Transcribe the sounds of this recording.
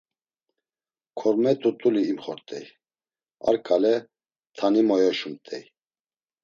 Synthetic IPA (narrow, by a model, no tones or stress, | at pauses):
kʰɔɾmɛt̪ʰʼut̪ʼuliːmχɔɾt̪ʼɛj | a̰ɾkʼalɛ | t̪ʰanimɔjɔʃumt̪ʼɛj